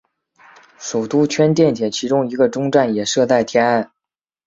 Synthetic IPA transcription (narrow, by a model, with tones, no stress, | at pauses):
ʂu˨˩t̪u˥t͡ɕʰɥɛ˥nt̪̬jɛ˥˩nt̪ʰjɛ˨˩t͡ɕʰi˧˥ʈ͡ʂʊ˥ŋi˧˥ɡə˧ʈ͡ʂʊ˥ŋʈ͡ʂa˥˩njɛ˨˩ʂɤ˥˧t͡sa˥˩ɪt̪ʰjɛ˥na˥˩n